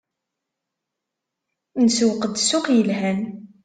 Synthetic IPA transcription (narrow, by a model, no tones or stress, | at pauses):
nəswqəd̪sʊqjəlɦæn